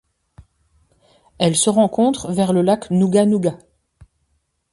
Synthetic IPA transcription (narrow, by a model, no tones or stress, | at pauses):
ɛlsəʁɑ̃kɔ̃t̪χvɛʁləlaknuɡanuɡa